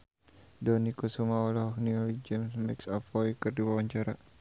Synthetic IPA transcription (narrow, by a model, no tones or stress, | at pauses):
dɔnikɔsumaɔlɔɦɔhniɔlid͡ʒɛmsmɛksafɔikɨrdiwawaɲt͡ʃaɾa